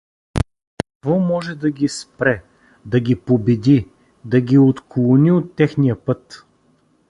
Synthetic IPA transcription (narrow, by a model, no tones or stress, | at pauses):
kɐkvɔmɔʒɛd̪ɐɡʲispɾɛ | d̪ɐɡʲipobɛd̪i | d̪ɐɡʲiot̪klˠʊniot̪ːɛxnijəpɤt̪